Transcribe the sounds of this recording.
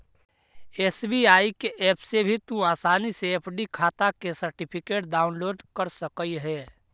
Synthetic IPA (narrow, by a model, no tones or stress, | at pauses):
eːsbiaːikeʔɛːpʰsebʱit̪ũaːsaːniseəpʰɖikʰaːt̪akesəɾʈɪpʰɪkeːʈɖaːʊnloːɖkəɾsəkəiɦɛː